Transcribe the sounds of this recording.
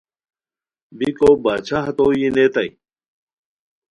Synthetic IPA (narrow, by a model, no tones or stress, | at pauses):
bikobaːt͡ɕʰaɦɐt̪ojinet̪ɐj